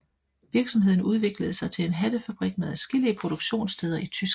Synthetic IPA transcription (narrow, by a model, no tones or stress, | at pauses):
ʋiɐɡ̥sɒ̽mɦe̝ð̰ˠn̩uð̞ˠʋe̝ɡ̥ləð̩ˠsɑ̈ɪt͡sʰe̝le̝nɦæd̥əfæb̥ʁiɡ̥̚meðˠæsɡ̥e̝liəpʰʁo̝ɾ̥oɡ̥ɕo̝̰ːnst͡sʰeð̞ˠɐʔit͡sʰysɡ̥